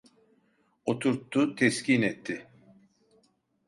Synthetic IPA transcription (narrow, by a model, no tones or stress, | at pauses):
o̞t̪ʰuɾt̪ːut̪ʰɛscinɛt̪ʰːɪ